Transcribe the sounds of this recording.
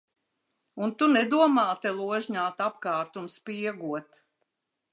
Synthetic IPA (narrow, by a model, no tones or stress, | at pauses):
unt̪unɛd̪uɔmaːt̪ɛlˠuɔʒɲaːt̪apkɑːɾt̪unspiɛɡuɔt̪